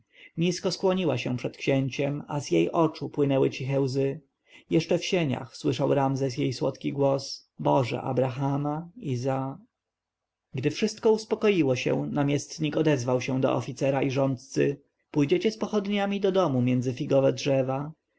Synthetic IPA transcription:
ɲiskɔskwɔɲiwaɕɛ̃pʂɛt̪kɕeɲt͡ɕɛma̰zjejʔɔt͡ʂupwɘnɛwɘt͡ɕixɛwzɘ | jɛʂt͡ʂɛfɕeɲa̰xswɘʂawɾamzɛs̬jejswɔt̪kʲiɡwɔs | bɔʐɛ̰ʔa̰bɾaxamaiza | ɡd̪ɘfʂɘst̪̚kɔuspɔkɔjiwɔɕɛ̰̃namʲjɛst̪ɲikɔd̪ɛzvawɕɛ̃d̪ɔ̰ʔɔ̰fʲit̪sɛɾaʔiʐɔnt̪̚t̪sɘ̰ | pujd͡ʑet͡ɕɛspɔxɔd̪ɲamʲid̪ɔd̪ɔmumʲjɛndzɘfʲiɡɔvɛdʐɛva

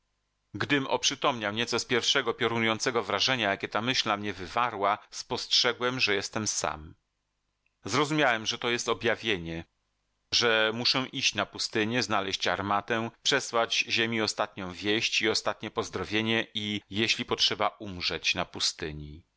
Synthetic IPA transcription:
ɡd̪ɘmɔ̰pʂɘpɔmɲawɲɛt̪sɔspʲjɛɾfʂɛɡɔpʲjɔɾunujɔnt̪sɛɡɔvɾaʐɛɲajakʲɛt̪amɘɕlnamɲɛvɘvaɾwaspɔstʂɛɡwɛmʐɛjɛst̪ɛmsa̰m | zɾɔzumʲjawɛmʐɛt̪ɔjɛst̪ɔbʲjavʲjeɲɛ | ʐɛmuʂɛ̃ʔiɕt͡ɕnapust̪ɘɲɛznalɛɕt͡ɕaɾmat̪ɛpʂɛswad͡ʑʑemʲiɔst̪at̪̚ɲɔ̃w̃vʲjeɕt͡ɕiɔst̪at̪̚ɲɛpɔzd̪ɾɔvʲjeɲɛijeɕlʲipɔtʂɛbaʔumʐɛt͡ɕnapust̪ɘɲi

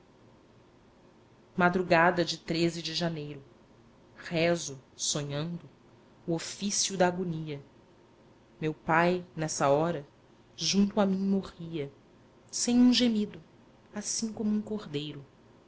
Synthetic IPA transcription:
mad̪ɾuɡad̪ɐd͡ʒɪt̪ɾezɪd͡ʒɪʒanejɾʊ | hɛzʊsoɲɐ̃nd̪ʊː | ofisjʊd̪ɐːɡoniɐ | mewpajnɛsɐɔɾɐ | ʒũnt̪ʊamĩj̃moʁiɐ | sẽj̃ũʒemid̪ʊ | asĩkõmʊũkoʁd̪ejɾʊ

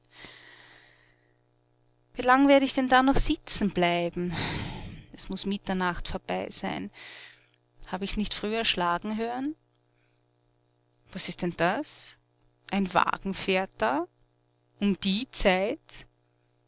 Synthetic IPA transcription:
viːlaŋveːɐɾəɪçd̥ɛndaːnɔχz̥ɪt͡sn̩b̥laɪbm̩ | ɛsmʊsmɪtɐnaχtfoːɐb̥aɪz̥aɪn | haːbəɪçsnɪçtfʁ̥yːɛɐʃlaːɡŋ̩ɦøːən | v̥asɪstd̥ɛnd̥as | ʔaɪnva̰ːɡ̥ŋ̩feːɐt̚a | ʊmd̥iːt͡saɪt

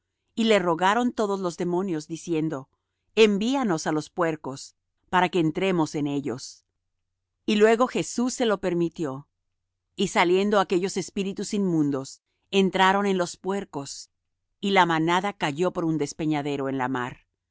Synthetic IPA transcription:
ile̞ro̞ɣaɾo̞nt̪o̞ðo̞zlo̞zðe̞mo̞njo̞zðisje̞nd̪o̞ | embiano̞salo̞spwe̞ɾko̞s | paɾake̞ːnt̪ɾe̞mo̞se̞ne̞ʎo̞̰s | ilwe̞ɣo̞xe̞susːe̞lo̞pe̞ɾmit̪jo̞ | isalje̞nd̪o̞ake̞ʝo̞se̞spiɾit̪usinmũnd̪o̞s | e̞nt̪ɾaɾo̞ne̞nlo̞spwe̞ɾko̞s | ilamanaðakaʝo̞po̞ɾund̪e̞spe̞ɲaðe̞ɾo̞e̞nla̰ma̰ɾ

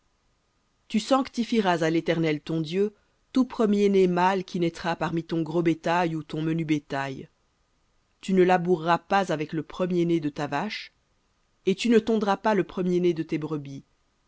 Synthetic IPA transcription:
t̪ysɑ̃kt̪ifiʁazalet̪ɛʁnɛlt̪ɔ̃d̪jø | t̪upχəmjenemalkʲinɛt̪χapaʁmit̪ɔ̃ɡʁobet̪ajut̪ɔ̃mənybet̪aj | t̪ynəlabuʁːapazavɛkləpχəmjened̪ət̪avaʃ | et̪ynət̪ɔ̃d̪ʁapaləpχəmjened̪ət̪ebʁəbi

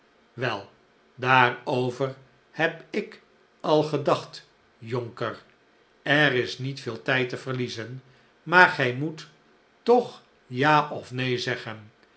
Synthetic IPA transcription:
ʋɛlˠ | daːrowvəɹ | hɛpɪk | ɑlˠχədɑχt | joŋkər | ɛɾɪsnitfɪːlˠtɛjtəv̥əɹlizən | maːɹχɛjmut | tɔχ | jaːʔɔfnejzɛχən

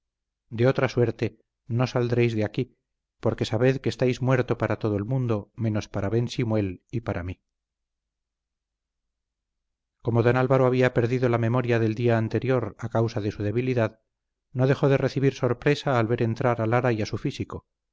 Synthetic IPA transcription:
d̪e̞o̞t̪ɾaswe̞ɾt̪e̞ | no̞sald̪ɾe̞jzðeaki | po̞ɾke̞saβe̞ðkeːst̪ajzmwe̞ɾt̪o̞paɾat̪o̞ðoe̞lmũnd̪o̞me̞no̞spaɾaβe̞nsimwe̞lipaɾʔa̰mi | ko̞mo̞ðo̞nalβaɾoaβ̞iape̞ɾðiðo̞lame̞moɾjaðe̞ld̪iaːnt̪e̞ɾjo̞ɾakawsaðe̞suð̞e̞βiliðað | no̞ðe̞xo̞ðe̞re̞θiβiɾso̞ɾpɾesaːlβe̞ɾe̞nt̪ɾaɾalaɾajasufisiko

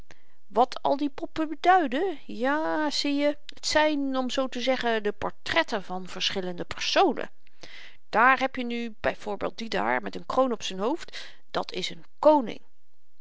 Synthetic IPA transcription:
ʋɑtʰɑ̰lˠdipɔpəbədœɥdə | jaːz̥ijə | ətsɛjnɔmzowtəzɛχədəpɔ̰ɹtrɛtəvɑnv̥əɹsχɪləndəpəɹsownə̰ | d̥aːɹɦɛpjənyb̥ɛjv̥ʊːɹbḛːlˠd̚dida̰ːɹmɛtənkrownɔpsənɦowft | d̥ɑtʰɪsənkownɪ̰ŋ

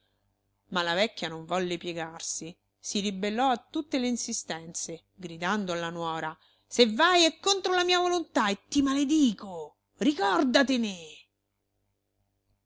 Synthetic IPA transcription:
malavɛkːjanoɱvɔlːepjɛɡarsi | siɾibelːɔat̪ːut̪ːeleinsist̪ɛnt̪se | ɡɾid̪and̪oalːanwɔːɾa | sevːajɛkːont̪ɾolamiːavolont̪aet̪ːimaled̪iːko | rikɔrd̪at̪ene

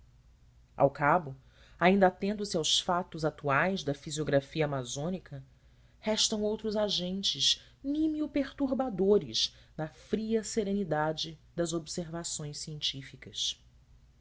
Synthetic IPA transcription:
a̰wkabʊ | aĩnd̪ɐat̪ẽnd̪ʊsiawʃfat̪ʊzat̪uajzd̪ɐfizioɡɾafiɐamazõnikʰɐ | hɛʃt̪ɐ̃w̃owt̪ɾʊzaʒẽnt͡ʃɪz | nimiʊpeɾt̪uɾbad̪oɾɪʃnɐfɾiɐseɾẽnid̪ad͡ʒɪd̪ɐzobseɾvasõj̃ʃsiẽnt͡ʃifikɐs

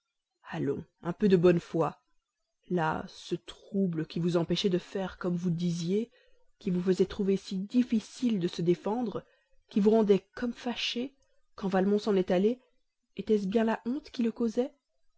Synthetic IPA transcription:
alɔ̰̃ɛ̃pød̪əbɔnfwa | la̰sət̪χubləkʲivuzɑ̃pɛʃɛd̪əfɛʁkɔmvud̪izje | kʲivufəzɛt̪χuvesid̪ifisild̪əsəd̪efɑ̃d̪ʁ | kʲivuʁɑ̃d̪ɛkɔmfaʃe | kɑ̃valmɔ̃sɑ̃nɛt̪aleː | t̪ɛs̬bjɛ̃laʔɔ̃t̪kʲiləkozɛ

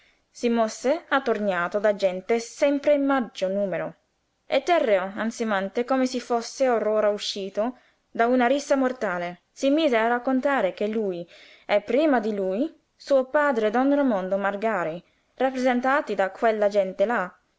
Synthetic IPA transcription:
simosːeat̪ːorɲaːt̪od̪ad͡ʒɛnt̪esɛmpɾeimmad͡ʒːonuːmeɾo̰ | et̪ːɛrːeoant̪simant̪ekomesifosːeoɾoːɾauʃːiːt̪o | d̪aunaɾisːamort̪aːle | simiːzearakːont̪aːɾek̟elːuːj | ɛpːɾiːmad̪iluːj | suːopaːd̪ɾed̪ɔnɾomɔnd̪omarɡaːɾi | rapːɾezɛnt̪aːt̪id̪akʰwelːad͡ʒɛnt̪ela

